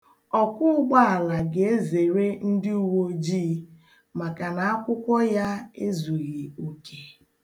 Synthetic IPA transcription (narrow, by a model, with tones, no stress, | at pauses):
ɔ˨kʷʊ˦ʊ˦ɡ͡ba˦a˨la˨ɡe˨e˦ze˨ɾe˦n̩˦dɪ˦u˦wo˦d͡ʒiː˦ | ma˨ka˨na˨a˦kʷʊ˦kʷɔ˦ja˦e˦zu˨ɣi˨u˨kʰe˨